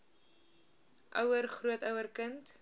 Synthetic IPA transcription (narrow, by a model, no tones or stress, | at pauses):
ʔœwərχruətœwərkənt